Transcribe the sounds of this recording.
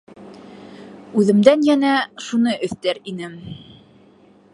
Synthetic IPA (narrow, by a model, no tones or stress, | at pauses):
ʉðɘ̆md̪ænjænæʃunɤʔɵ̆θt̪æɾinɘm